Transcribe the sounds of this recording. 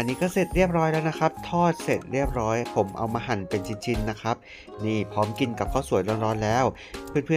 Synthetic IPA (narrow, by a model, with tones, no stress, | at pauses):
ʔa˧nːiː˦˥kɔː˥˩se˨˩t̪̚ɾi˥˩əp̚ɾɔː˦˥jlɛː˦˥wna˦˥kʰɾa˦˥p̚t̪ʰɔː˥˩t̪̚se˨˩t̪̚ɾi˥˩əp̚ɾɔː˦˥jpʰo˩˦mʔa̰˧wmaː˧ɦa˨˩npe˧nt͡ɕʰi˧nt͡ɕʰi˧nːa˦˥kʰɾa˦˥p̚ | niː˥˩pʰɾɔː˦˥mki˧nka˨˩p̚kʰɔː˥˩wsu˨˩˦jɾɔː˧nɾɔː˦˥nlɛː˦˥w | pʰɯ˥˩˨npʰɯ˥˩ə˨